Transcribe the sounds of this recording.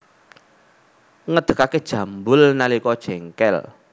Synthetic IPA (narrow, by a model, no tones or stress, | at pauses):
ŋəd̪̥ə̤kaked̥ʒ̥ä̤mbʊlnalikɔd̥ʒ̥ɛŋkɛ̰l